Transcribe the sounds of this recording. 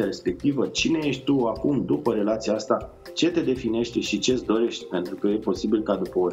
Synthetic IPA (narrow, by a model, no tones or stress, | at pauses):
aɾe̞spe̞k̚t̪ivət͡ʃine̞je̞ʃt̪ʲt̪uakumd̪upəɾe̞lat̪siaast̪a | t͡ʃe̞t̪e̞d̪e̞fine̞ʃt̪e̞ʃit͡ʃe̞sd̪o̞ɾe̞ʃt̪ʲpe̞nt̪ɾukəje̞po̞sibilkad̪upəo